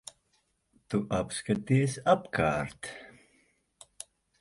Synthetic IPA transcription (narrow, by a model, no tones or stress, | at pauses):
t̪uʔapskat̪iɛsapkʰa̰ːɾt̪